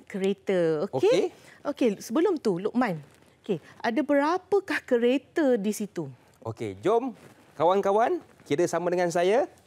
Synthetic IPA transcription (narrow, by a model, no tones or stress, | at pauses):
kəɾet̪əokoeeʔokesəbəlʊmt̪ulʊʔ̚mãn | okeʔadabəɾapəkahkəɾet̪ədisit̪u | ʔokḛd͡ʒɔm | kawankawan | kidəsamãdəŋans̬aja